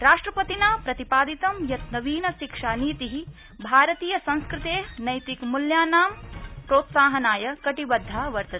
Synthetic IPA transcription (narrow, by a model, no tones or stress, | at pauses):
ɾaːʂʈɾɐpɐt̪inaːpɾɐt̪ipaːd̪it̪ɐmjɐt̪nɐʋiːnɐʃikʂaːniːt̪iɦi | bʱaːɾɐt̪iːjɐsɐ̃nskɾɪt̪eːnɐjt̪ikmuljaːnaːmpɾoːt̪saːɦɐnaːjɐkɐʈibɐd̪ʱːaːʋɐɾt̪ɐt̪